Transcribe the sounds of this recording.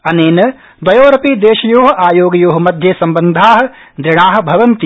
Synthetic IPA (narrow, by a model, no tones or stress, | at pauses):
ɐneːnɐ | d̪ɐjoːɾɐpiːd̪eːʃɐjoːɦɐʔaːjoːɡɐjoːɦɐ̆mɐd̪ʱjɐsɐmbɐnd̪ʱaːɦɐ̆ | d̪ɾɪɳaːɦɐ̆bʱɐʋɐnt̪i